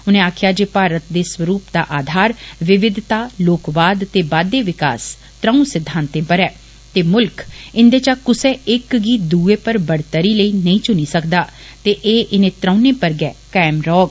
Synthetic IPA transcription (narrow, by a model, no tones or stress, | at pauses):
ʊnẽːaːkʰjaːd͡ʒeːpaːɾət̪d̪eːswəɾuːpd̪a̰ːʔaːd̪ʱaːɾʋɪʋɪd̪ʱt̪aːloːkʋaːd̪t̪eːbaːd̪eːʋɪka̰ːs | t̪ɾəːũsɪd̪ʱːãːnt̪ẽːpəɾɛː | t̪eːmʊlkɪnd̪eːt͡ʃaːkʊseːɪkɡiːd̪uːeːpəɾbəɽt̪əɾiːləiːnəĩːt͡ʃʊniːsəkd̪aː | t̪eːʔeːʔɪnẽːt̪ɾəʊ̃nẽːpəɾɡɛːkɛːmɾɔːɡ